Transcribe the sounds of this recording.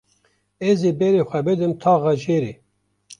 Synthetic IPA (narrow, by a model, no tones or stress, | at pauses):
ezebɛɾeːxʷɛbɨd̪ɨmt̪ʰɑːɣɑd͡ʒeːɾe